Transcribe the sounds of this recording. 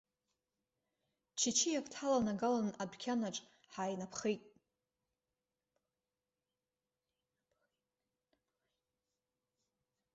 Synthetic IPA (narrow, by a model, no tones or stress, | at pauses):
t͡ʃʰit͡ʃʰijakʷʰtʰalanaɡalanabkʲʰanaʈ͡ʂʼ | ħaːjnapʰχejtʼ